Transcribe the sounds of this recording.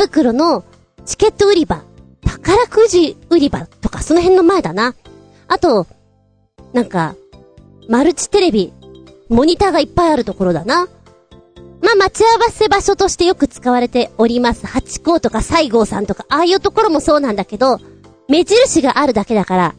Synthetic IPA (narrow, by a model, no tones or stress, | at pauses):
bɯ̟kɯ̟ɾo̞no̞ | t͡ɕi̥ke̞t̪ːo̞ɯ̟ɾʲiba | t̪ḁkaɾakɯ̟ʑiɯ̟ɾʲibat̪o̞kaso̞no̞ɦẽ̞nːo̞maed̪ana | at̪o̞ | nãŋka̰ | maɾɯ̟t͡ɕi̥t̪e̞ɾe̞bʲi | mo̞ɲ̟it̪aːɡaipːaiaɾɯ̟t̪o̞ko̞ɾo̞d̪ana | maːmat͡ɕiaβase̞baɕo̞t̪o̞ɕi̥t̪e̞jo̞kɯ̟t͡sɨ̥kaβaɾe̞t̪e̞o̞ɾʲimasɨ̥hat͡ɕi̥ko̞ːt̪o̞kasaiɡo̞ːsã̰nt̪o̞kaʔaːjɯ̟ːt̪o̞ko̞ɾo̞mo̞so̞ːnãnd̪ake̞d̪o̞ | me̞ʑiɾɯ̟ɕiɡaʔaɾɯ̟d̪ake̞d̪akaɾa